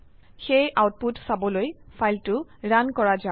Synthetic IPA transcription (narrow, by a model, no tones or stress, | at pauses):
xejʔawt̚putsabɔlojfʰajltʊɹankɔɹaza